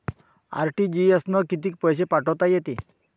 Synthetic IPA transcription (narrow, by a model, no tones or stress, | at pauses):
a̰ɾʈid͡ʑiəsnəkit̪iːk̚pəjɕepaʈəwt̪ajet̪i